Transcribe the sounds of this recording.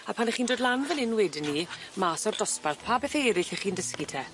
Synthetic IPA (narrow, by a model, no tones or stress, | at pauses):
apʰanɛχiːndoːdlˠanvənɪnwɛdɪnːimaːsɔrdɔsparθpʰaːbɛθeɾɪθɛχiːndəskitʰɛ